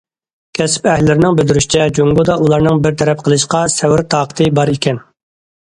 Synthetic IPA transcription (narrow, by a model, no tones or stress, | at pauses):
kʲʰɛsɪ̥pɛhlːɪɾɪnɪŋbɪd̪yɾyʃit͡ʃʰɛd͡ʒoŋɡod̪ɑulˠɑɾnɨŋbɪɾt̪ʰɛɾɛp̚qʰəlˠɨʃqɑsɛwɪɾt̪ʰɑːqʰə̥t̪ʰɨbɑɾekʲʰɛn